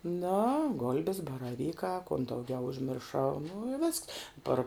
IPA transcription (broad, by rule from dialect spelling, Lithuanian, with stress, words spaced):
noː ˈɡoːlʲbʲɛs bɐrɐˈʋʲiːkɑː koːn dɐʊˈɡʲɛʊ ʊʒʲmʲɪrˈʃɐʊ ˈnʊ ɪ ˈʋʲɪsks ˈpɐr